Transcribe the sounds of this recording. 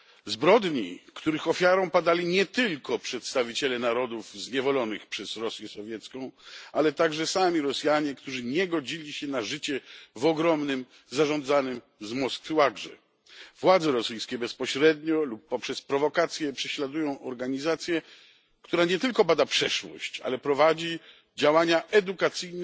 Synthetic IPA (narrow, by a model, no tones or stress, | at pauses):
zbɾɔd̪ɲḭkt̪uɾɘxɔfʲjaɾɔ̃w̃pad̪alʲiɲɛt̪ɘlkɔpʂɛt̪st̪avʲit͡ɕɛlɛnaɾɔd̪uvzɲɛvɔlɔnɨxpʂɛzɾɔsʲjɛsɔvʲjɛt̪skɔ̃w̃alɛt̪aɡʐɛsamʲiɾɔsjaɲɛkt̪uʐɨɲɛɡɔd͡ʑilʲiɕɛnaʐɘt͡ɕɛvɔɡɾɔmnɘm | zaʐɔ̃nd̪zanɘm | zmɔskfɘwaɡʐɛ̰ | vwad̪zɛɾɔsɘjskʲɛbɛspɔɕɾɛd̪ɲɔlupːɔpʂɛspɾɔvɔkat̪sʲjɛpʂɛɕlad̪ujɔ̃w̃ʔɔɾɡaɲizat̪sʲjɛ | kt̪uɾaɲɛt̪ɘlkɔbad̪apʂɛʂwɔ̰ɕt͡ɕa̰lɛpɾɔvad͡ʑi | d͡ʑawaɲaʔɛd̪ukat̪sɘjn